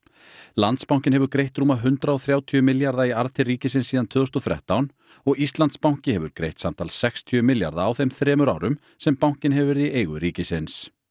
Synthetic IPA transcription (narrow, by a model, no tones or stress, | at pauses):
lant̪spawŋ̥cɪnɦɛvʏɾkɾejht̪ɾuːmaɦʏnt̪ɾaɔθɾjaːwt̪ʰiʏmɪljaɾðaiaɾðt̪ʰɪriːcɪsɪnsːiːðant̪ʰœːðɔst̪ɔθɾɛ̰ht̪awn | ɔɣist̪lant̪spaw̥cɪhɛvʏɾkɾḛjht̪samt̪ʰa̰ːlsɛkst̪ʰjʏmɪlja̰ɾðaːwθɛmθɾɛːmʏɾa̰ːwɾʏm | sɛmpawɲ̥cɪnɦɛvvɛɾðiʔeːjɣʏɾiːcɪsɪns